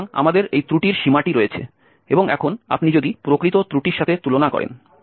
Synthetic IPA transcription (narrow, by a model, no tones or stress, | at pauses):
ŋa̰mad̪eɾejt̪ɾuʈiɾʃimaʈiɾoet͡ɕʰḛ | eboŋɛ̰kʰona̰pnid͡ʑod̪ipɾokɾit̪ot̪ɾuʈiɾʃat̪ʰet̪ulonakɔ̰ɾḛn